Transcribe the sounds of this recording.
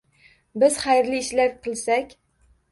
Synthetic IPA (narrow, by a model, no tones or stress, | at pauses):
bɪzχajɾliːʃlaɾqʰɨlˠsakʲ